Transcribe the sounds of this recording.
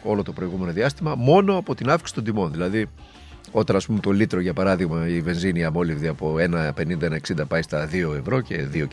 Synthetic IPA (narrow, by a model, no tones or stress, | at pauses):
o̞lo̞t̪o̞pɾo̞iɣume̞no̞ðiɐst̪imɐmo̞no̞ɐpo̞t̪inɐfki̥si̥t̪o̞nd̪imo̞nðilɐði | o̞t̪ɐnɐspumet̪o̞lit̪ɾo̞ʝɐpɐɾɐðiɣmɐive̞nziniɐmo̞livðiɐpo̞e̞nɐpe̞nind̪ɐenɐeksind̪ɐpɐist̪ɐðio̞e̞vɾo̞ce̞ðio̞